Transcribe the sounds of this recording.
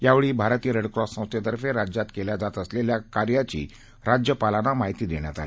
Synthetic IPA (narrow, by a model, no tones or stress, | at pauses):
jaʋeɭiːbʱaɾt̪iːɾəɽkɾɔssə̃w̃st̪jat̪əɾfeɾad͡ʑat̪keljad͡zat̪əsleljakaɾjat͡ɕḭː | ɾad͡ʑjəpalanamaɦit̪iːd̪eɽ̃ja̰t̪a̰li